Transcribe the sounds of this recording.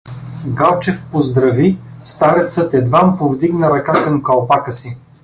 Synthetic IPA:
ɡalˠt͡ʃɛfpozd̪ɾɐvist̪aɾɛt̪sət̪ɛd̪vampovd̪iɡnəɾɐkakɐmkɐlˠpakəsi

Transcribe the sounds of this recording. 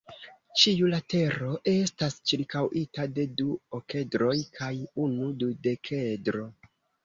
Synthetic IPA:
t͡ʃiulate̞ɾo̞ʔe̞stast͡ʃiɾkawʔitade̞duoke̞dɾo̞jkʰajunudude̞kʰedɾo̞

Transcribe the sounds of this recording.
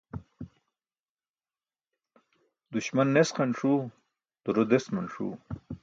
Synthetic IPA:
d̪uɕmanːesqɐɳʂu | d̪̥uɾod̪esmɐnʂṵ

